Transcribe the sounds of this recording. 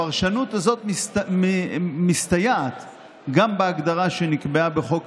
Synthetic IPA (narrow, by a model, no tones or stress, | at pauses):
aʁʃanutazo̞t̪ | mist̪ajaat̪ | ɡambeaɡd̪aʁaʃe̞nikbeabeχo̞k